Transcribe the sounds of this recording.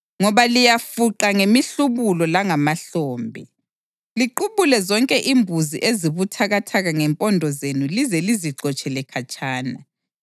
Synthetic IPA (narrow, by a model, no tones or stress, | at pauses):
ŋɔβalijafuǃaŋemiɬuβulɔlaŋamaɬɔːmbʱḭ | liǃuβulɛzɔŋkʼɛʔimbʱuziʔeziβutʰaɣatʰaɣaŋɛmpʼɔndʱɔzenulizɛliziǁɔt͡ʃʼɛlɛkʰat͡ʃʼaːna